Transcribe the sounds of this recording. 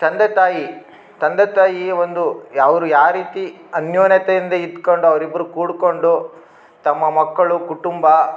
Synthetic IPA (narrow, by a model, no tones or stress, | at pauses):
t̪ɐnd̪ɐt̪aːji | t̪ɐnd̪ɐt̪aːjiʋond̪ujaːʋɐɾujaːɾiːt̪iɐnjoːnjɐt̪ejind̪ɐid̪ko̞ɳɖuɐʋɐɾibːɐɾukuːɽko̞ɳɖu | t̪ɐmːɐmɐkːɐɭukuʈumbɐ